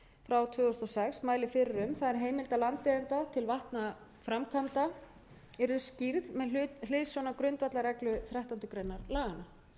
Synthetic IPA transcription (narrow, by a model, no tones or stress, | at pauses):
fɾawt̪ʰvœːʏst̪ɔsɛksmaːjlɪfɪɾɪɾʏmθaðɛɾ̥ɦeːjmɪlt̪alant̪ːeðɪnt̪at̪ʰɪlvaht̪na | fɾamkʰamt̪a | ɛɾðʏsciɾðmɛl̥ɪːsɔnːakɾʏnt̪vat̪laɾɛklʏθɾɛht̪ant̪ʏkɾejnːaɾlaːɣana